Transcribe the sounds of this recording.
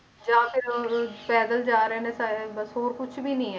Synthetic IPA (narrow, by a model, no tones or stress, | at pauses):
d͡ʒãːpʰɪɾoːɾpɛːd̪əld͡ʒaːɾeːnẽsaːebəsɦoːɾkʊt͡ʃʰbiːnĩːɦɛ